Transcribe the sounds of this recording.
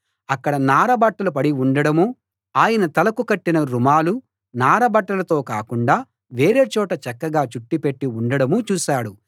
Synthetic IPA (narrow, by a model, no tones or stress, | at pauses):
ɐkːɐɽɐnaːɾɐbɐʈːɐlup̬ɐɽiuɳɖɐɽɐmu | aːjɐnɐt̪ɐlɐkukɐʈːinɐɾumaːlu | naːɾɐbɐʈːɐlɐt̪o̞ːkaːkuɳɖaː | ʋe̞ːɾeːt͡ʃɔːʈɐt͡ʃɛkːɐɡaːt͡ʃuʈːipe̞ʈːiuɳɖɐɽɐmut͡ʃuːsaːɽu